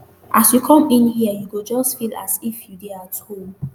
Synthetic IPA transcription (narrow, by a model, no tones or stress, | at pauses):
ʔasjukʰɔ̃mĩnhiəjuɡod͡ʒɔsfila̰sifjudeatol